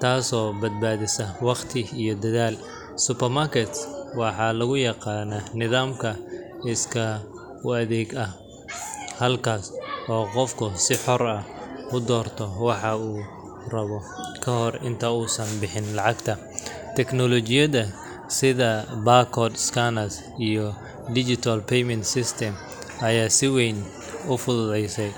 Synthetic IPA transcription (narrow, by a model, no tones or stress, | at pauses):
t̪ʰaːsɔːbɐd̪̚baːðɪsɐwɑqt̪ʰɪijɔd̪ɐðaːl | sʊpɛrmarkʰɛt̪swɑħɑlɐɣʊjɑqɑːnɐnɪðaːmkʰɐɪskʰɐ | ʊɐðɛːɡɐh | hɐlkʰaːsɔːqɔfkʰʊsɪħɔrɐʊd̪ɔːrt̪ʰɔwɑħɑuː | rɐβɔ | kʰɐɦɔrɪ̰nt̪ʰɐuːsɐnbɪħɪnlɑʕɑɡt̪ʰɐ | t̪ʰɛknɔlɔt͡ʃɪjɐðɐ | sɪðɐbaːkʰɔːd̪skʰanɐs | ijɔ | d̪ɪt͡ʃɪt̪ʰalpʰɛjmɛnt̪sɪst̪ʰɛm | ɐjaːsɪwɛjn | ʊfʊðʊðɛjsɛj